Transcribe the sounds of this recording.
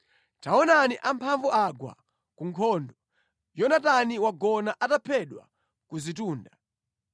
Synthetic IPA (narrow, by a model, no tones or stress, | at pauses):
taɔnaniʔampʰaɱvuʔaɡwa̰ | kuŋkʰɔndɔ | jɔnataniwaɡɔnaʔatapʰɛɗwa̰ | kuzituːnda